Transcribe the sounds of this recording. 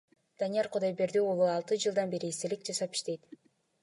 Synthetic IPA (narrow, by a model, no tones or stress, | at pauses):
d̪̥anijɑɾqʰʊd̪ɑjbe̞ɾd̪iolˠuɑlˠt̪ɯd͡ʒɯlˠd̪ɑnbe̞ɾiːst̪e̞lik̚d͡ʒɑsɑpi̥ʃt̪e̞jt̪